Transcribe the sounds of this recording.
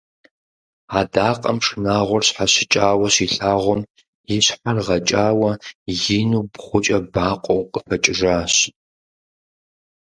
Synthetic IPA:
aːdaːqʼɐ̰mʂɨnaːʁʷɔrɕħaɕɪt͡ʃʼaːwɐɕiɬaːʁʷɔm | jɪɕħarʁɐt͡ʃʼaːwɐjɪnuːbχʷʊt͡ʃʼɐbaːqʷʼɔwqʼəfɐt͡ʃʼɪʒaːɕ

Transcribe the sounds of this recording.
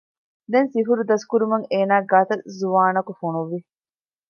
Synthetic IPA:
d̪ensifuɾud̪ɐskuɾumɐŋeːnaːɡaːt̪ɐzuʋaːnɐkufunuʋːi

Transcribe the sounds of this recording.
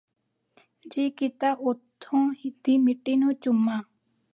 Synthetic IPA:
d͡ʒikit̪aʔot̪ʰːõhid̪imiʈːinot͡ʃumːa

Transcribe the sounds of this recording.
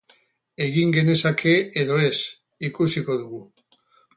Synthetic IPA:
e̞ɣiŋɡe̞ne̞sakʰe̞eðo̞e̞s | ikusiko̞ðuɣu

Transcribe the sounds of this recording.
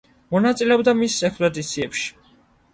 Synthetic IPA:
mɔnat̪sʼilɛɔbd̪amisɛkspʼɔd̪it̪sʰiɛpʃi̥

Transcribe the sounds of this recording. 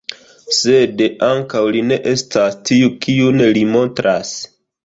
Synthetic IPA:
se̞daŋkawline̞ʔe̞stastiukiunelimo̞ntɾʔas

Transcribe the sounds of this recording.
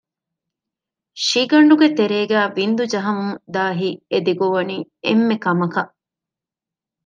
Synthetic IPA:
ʃiɡɐɳɖuɡet̪eɾeːɡæːʋind̪ud͡ʒɐɦɐmuŋd̪aːɦied̪eɡoʋɐniːḛmːekɐmɐkɐʔ

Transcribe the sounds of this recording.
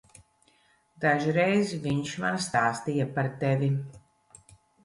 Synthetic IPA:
d̪aʒiɾejzviɲʃma̰nst̪aːst̪ijapaɾt̪evʲi

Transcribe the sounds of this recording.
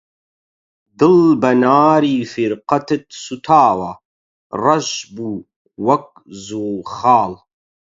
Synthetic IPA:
d̪ɨlbɐnaːɾiːfiɾqɐt̪ɨt̪sut̪ʰaːwɐ | rˤɐʒbuː | wɐk̚ | zuːlxɑːl

